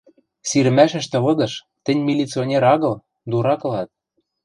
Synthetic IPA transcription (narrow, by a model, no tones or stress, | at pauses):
siɾɘ̆mæʃɘ̆ʃt̪ɤ̆βɤ̆d̪ɤ̆ʃ | t̪ɘ̆nʲmilʲit͡sionʲeɾɑɣɤ̆l | d̪uɾɑkɤ̆lɑt̪̚